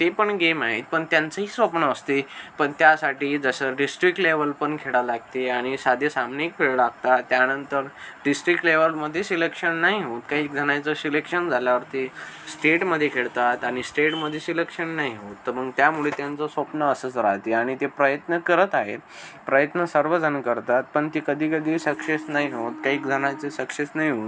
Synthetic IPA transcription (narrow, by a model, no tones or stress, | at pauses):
t̪epəɳɡemaɦit̪̚pəɳt̪jant͡səɦiːsʋəpnəːst̪epəɳt̪jasaʈiːd͡zəsəɖisʈɾikʈleʋəlpəɳkʰeɽalaɡ̚t̪eaɽ̃isad̪ʱesamnikfʰeɭɭaɡ̚t̪at̪ːjanənt̪əɾɖisʈɾikʈleʋəlməd̪ʱːjesilekʂənːaɦiɦot̪kaɦiːk̚d͡z̪ʱəɽ̃ajt͡səsilekʂənd͡zʱaljaʋəɾt̪esʈeʈməd̪ʱːjekʰeɭt̪at̪aɽ̃isʈeʈməd̪ʱːjesilekʂənːaɦiɦot̪ːəɾməɡt̪jamuɭet̪jant͡sɔsʋəpnəəsət͡sɾaɦt̪eaɽ̃it̪epɾəjət̪nəkəɾət̪aɦet̪ | pɾəjət̪nəsəɾʋəd͡zʱənkəɾt̪at̪̚pəɳt̪ikəd̪ʱiːkəd̪ʱiːsəkʂesnaɦiɦot̪kaɦiːk̚d͡zʱəɽ̃at͡sesəkʂet͡snaɦiɦo